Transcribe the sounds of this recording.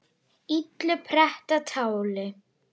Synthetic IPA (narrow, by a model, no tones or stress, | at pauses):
it̪lʏpʰɾɛht̪at̪ʰaːwlɪ